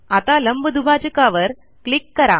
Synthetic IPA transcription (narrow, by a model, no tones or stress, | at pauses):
ɐt̪aːlɐmbɯd̪ubaːd͡ʒɯkaːʋɐɾ | kɭɪkːɐɾa̰ː